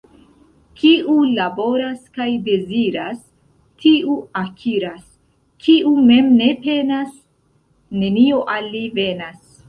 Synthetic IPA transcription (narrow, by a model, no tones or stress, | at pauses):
kiulabo̞ɾaskajde̞ziɾas | tʰiuakʰiɾas | kʰiʔume̞mne̞pe̞nas | ne̞nio̞ʔalːive̞nas